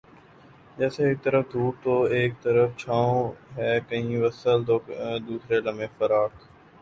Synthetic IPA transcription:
d͡ʒɛːseːk̚t̪əɾəfd̪ʱuːp̚t̪oeːk̚t̪əɾəft͡ʃʰãːõɦɛːkəɦĩʋəsəlt̪oːd̪uːsɾelɐmẽfəɾaːɾt̪ʰː

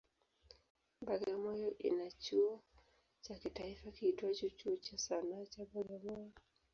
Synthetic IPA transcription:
baɡamɔjɔʔḭnat͡ʃuɔ | t͡ʃakitaifakiitwat͡ʃut͡ʃuɔt͡ʃasanaːt͡ʃaɓaɡamɔjɔ

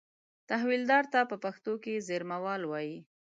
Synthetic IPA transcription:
t̪aɦwild̪ɑɾt̪apəpaxt̪okezeɾmawɑlwɑji

